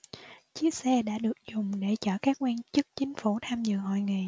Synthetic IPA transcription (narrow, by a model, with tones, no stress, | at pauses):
t͡ɕi˦˥ək̚sɛ˧ɗa̰ː˧˥ɗɨ˨˩ək̚zʊ˨˩ŋ͡mɗe˧˩t͡ɕɔː˧˩kaː˦˥k̚ŋwi˧nt͡ɕɨ˦˥k̚t͡ɕï˨˦ŋ̟fu˧˩t̪ʰaː˧mzɨ̰˧˨ŋhɔ̰˧˨jŋi˨˩